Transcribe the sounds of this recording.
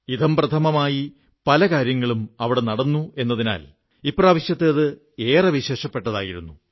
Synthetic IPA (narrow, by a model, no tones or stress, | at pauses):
id̪ʱɐmprɐt̪ʰɐmɐmaːji | pɐlɐkaːɾjɐŋːɐɭumɐʋiɽenɐɽɐnːue̞nːɐðina̰ːl | ipːorɐʋɐɕjɐt̪ːɨɐðɨ | eːrɐʋiɕe̞ːʂɐpːe̞ʈːɐðaːjiɾṵnːu